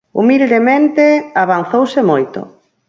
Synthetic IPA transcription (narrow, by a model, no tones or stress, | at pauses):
ṵmild̪emẽnt̪eaβ̞an̟θowsɪmojt̪ʊ̰